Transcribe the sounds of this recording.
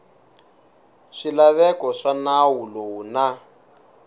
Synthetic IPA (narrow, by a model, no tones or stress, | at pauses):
ʂilaβɛkɔʂanawulowuna